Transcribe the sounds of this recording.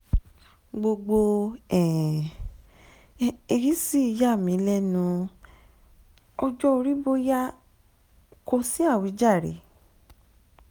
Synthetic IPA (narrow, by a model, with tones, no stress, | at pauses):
ɡ͡bo˧ɡ͡bo˧ɛ̃˨ | i˧ɾi˦si˦˧ja˦˨mĩ˨˦lɛ˦nũ˧ | ɔ˧d͡ʒɔ˦o˧ɾi˦bo˦ja˦ | ko˧si˦a˦˨wi˨˦d͡ʒa˦˨ɾḛ˨˦